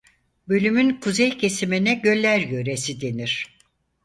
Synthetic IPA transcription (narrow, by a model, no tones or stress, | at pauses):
bø̞lʲymynkʰuzɛjcʰe̞siminɛɟø̞lʲːæɾjø̞ɾesid̪e̞niɾ̥